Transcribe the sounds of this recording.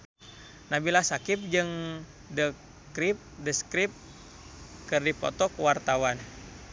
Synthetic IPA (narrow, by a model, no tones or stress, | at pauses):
nabilasakip̚d͡ʒɨŋ | də | kɾip̚dəskɾip̚ | kɨrdipɔ̰t̪ɔk̚wart̪awan